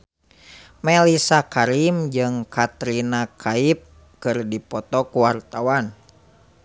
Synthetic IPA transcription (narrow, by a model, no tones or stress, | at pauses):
mɛlisakaɾimd͡ʒɨŋkat̪ɾinakʰaip̚ | kɨrdipɔt̪ɔkuwart̪awan